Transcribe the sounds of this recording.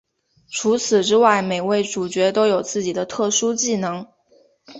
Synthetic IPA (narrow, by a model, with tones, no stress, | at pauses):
ʈ͡ʂʰu˧˥t͡sʰɹ̩˨˩ʈ͡ʂɻ̩˥wa˥˩ɪme˨˩ɪwe˥˩ɪʈ͡ʂu˨˩t͡ɕɥɛ˧˥t̪o˥ʊjo˨˩ʊt͡sɹ̩˥˩t͡ɕi˨˩d̪ə˦t̪ʰɤ˥˩ʂu˥t͡ɕi˥˩nɤ˧˥ŋ